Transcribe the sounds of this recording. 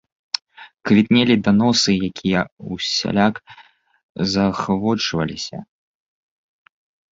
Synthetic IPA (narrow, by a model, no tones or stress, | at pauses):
kvʲit̪nʲɛlʲid̪anɔsɨjakʲʰijɛusʲa̰lʲak | zɐxvɔt͡ʂvɐlʲisʲɐ̰